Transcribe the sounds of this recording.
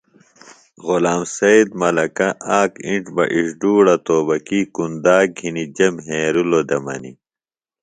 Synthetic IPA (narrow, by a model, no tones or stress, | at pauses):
ɣolaːmsɐjd̪̚mɐlɐkɐʔaːkiɳʈbɐ̰ʔiʂɖuːɽɐt̪oːbɐkikund̪aːɡʱinid͡ʑɐmɦeːɾulod̪ɐmɐ̰nḭ